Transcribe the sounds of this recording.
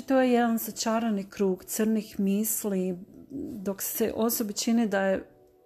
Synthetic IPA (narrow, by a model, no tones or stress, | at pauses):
t̪ojejed̪ansat͡ʃaːɾanikɾuːɡt̪sɨr̩nixmiːsli | d̪o̞kssḛʔo̞so̞bet͡ʃinid̪aje